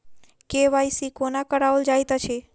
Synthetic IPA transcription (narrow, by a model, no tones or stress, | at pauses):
keʋajsikonakəɽaʋəld͡ʒajt̪at͡ʃʰe